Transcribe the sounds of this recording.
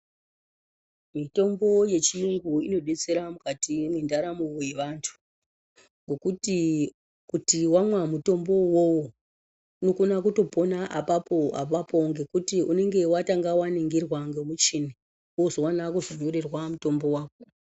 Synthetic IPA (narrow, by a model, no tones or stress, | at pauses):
mito̞mbo̞je̞t͡ʃijuŋɡuino̞ɗe̞t͡se̞ɾamukatimwendaɾamuoje̞ʋantʰu̥ | ŋɡo̞kuti | kutiwamwamuto̞mbo̞wowo | no̞kunakuto̞po̞naʔapapo̞a̰papoŋɡe̞kutiune̞ŋɡe̞wataŋɡawaniŋɡirwaŋɡemut͡ʃini | ozowanakuʐoɲorirwamuto̞mbo̞waːko̥